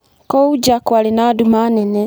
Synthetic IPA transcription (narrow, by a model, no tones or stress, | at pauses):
kowud͡ʒakwalinaːdumanene